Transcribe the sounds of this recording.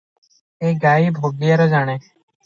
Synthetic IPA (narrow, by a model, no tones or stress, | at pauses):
eːɡaːiːbʱoːɡɪjaɾoːd͡ʒaːɽ̃eː